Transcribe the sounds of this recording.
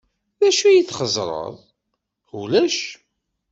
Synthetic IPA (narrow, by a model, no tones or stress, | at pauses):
ðæʃujiθχəzˤɾˤə̰ðˤ | ulæʃ